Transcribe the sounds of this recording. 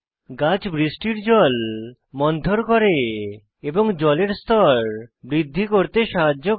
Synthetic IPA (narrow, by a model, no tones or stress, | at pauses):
ɡat͡ɕbɾisʈiɾd͡ʑɔl | mɔnd̪ʱoɾkoɾe | eboŋd͡ʑɔleɾst̪ʰɔɾbɾid̪ʱːikoɾt̪eʃaɦad͡ʑːo